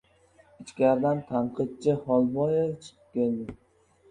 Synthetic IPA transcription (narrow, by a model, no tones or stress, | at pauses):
ɪt͡ʃkʲaɾd̪ant̪ʰaɴqʰɨt̪̚t͡ʃʰɪhɒlˠbɒjet͡ʃʰɨ̥qʰɨ̥p̚kʲʰeld̪ɪ